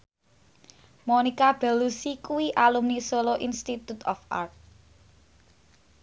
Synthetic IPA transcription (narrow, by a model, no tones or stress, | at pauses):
monikab̥ɛ̤lusikuwiʔalumnisoloʔinst̪it̪ut̪ɔfʔa̰rt̪̚